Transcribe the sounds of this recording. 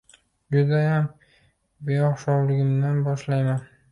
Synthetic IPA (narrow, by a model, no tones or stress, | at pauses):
d͡ʒʊd̪ajam | beɒχʃɒwlɪɡʲɪmd̪anbɒʃlajman